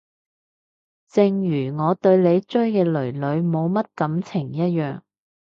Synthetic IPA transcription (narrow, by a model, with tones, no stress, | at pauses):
t͡sɪ˧ŋjyː˨˩ŋɔː˨˧t̪ɵ˧ɥle˨˧jt͡ʃɵ˥ɥkɛː˧lɵ˨˩ɥlɵ˨˧ɥmo˨˧wmɐ˥t̚kɐ˨˧˥mt͡sʰɪ˨˩ŋjɐ˥t̚jœː˨ŋ